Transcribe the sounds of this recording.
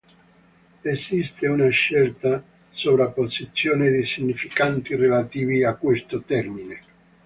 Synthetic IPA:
esist̪eunaʃːɛlt̪a | sovɾapːosit̪sːjoːned̪isiɲːifikant̪irelat̪iːviakːwest̪ot̪ɛrmine

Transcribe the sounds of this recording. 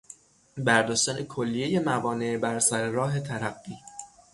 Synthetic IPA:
bæɾd̪ɒːʃt̪ænekʰolːije̞je̞mævɒːne̞bæɾsæɾeɾɒːɦe̞t̪ʰæɾæbːiː

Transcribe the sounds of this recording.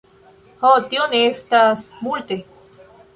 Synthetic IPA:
hɔt̪jonest̪asmuɭt̪e

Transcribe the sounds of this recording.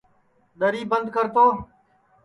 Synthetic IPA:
ɗ̪əɾiːbənd̪̚kəɾt̪oː

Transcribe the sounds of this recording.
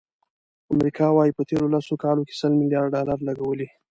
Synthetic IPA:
amɾikʰɑwɑjipət̪eɾolasokɑloke̥səlmɪljɑɖɖɑlaɾlaɡawəli

